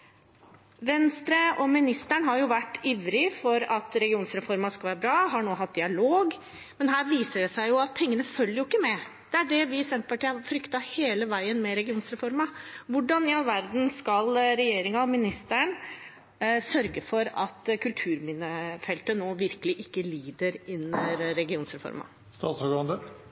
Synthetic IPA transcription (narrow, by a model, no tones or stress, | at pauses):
ʋɛnst̪ɾəɔmɪnɪst̪əɳɦɑɾjʊʋæʈːiːʋɾɪfɔɾɑt̪ɾɛɡɪuːnsɾɛfɔɾmɑskɑʋæːɾəbɾɑːɦɑɳoːɦɑt̪̚d̪ɪɑloːɡ | mɛnɦæːɾʋiːsəɖɛsæɪjʊɑt̪̚pʰɛŋːənəfœlːəjʊɪkːəmɛ | d̪̥ɛæɖɛʋɪsɛnt̪pʰɑʈiːɑfɾʏkt̪ɑheːləʋæɪənmɛɾɛɡɪuːnsɾɛfɔɾmɑʋʊɖːɑnɪɑlʋæɾd̪n̩skɑlɾɛjeːɾɪŋɑɔmɪnɪst̪əɳ | sœɾɡəfɔɾɑt̪kʰʉlt̪ʰʉːɾmɪnəfɛlt̪ənoːʋɪɾkəlɪʔɪkːəliːd̪əɾɪnɾɛɡɪuːnsɾɛfɔ̰ɾmɑ̰ | st̪ɑːt̪sɔɡɑnd̪ə